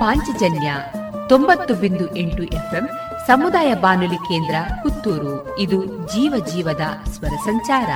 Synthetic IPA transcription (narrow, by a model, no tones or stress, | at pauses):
paːɲt͡ʃid͡ʒɐnjɐ | t̪o̞mbɐt̪ːubind̪uʔeɳʈuʔepʰem | sɐmud̪aːjɐbaːnulike̞ːnd̪ɾɐkut̪ːuːɾu | id̪ud͡ʒiːʋɐd͡ʒiːʋɐd̪ɐsʋɐɾɐsɐɲt͡ʃaːɾɐ̰